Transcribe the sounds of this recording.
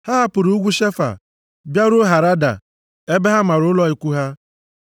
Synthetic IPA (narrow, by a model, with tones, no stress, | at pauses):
ha˦ɦa˦pʊ˨ɾu˦ɡʷu˦ʃe˦fa̰˨ | bja˦ɾʊ˦ɦa˨ɾa˦da̰˨ | e˦be˦ɦa˦ma˨ɾʊ˦lɔ˦i˨kʷu˦ɦa˦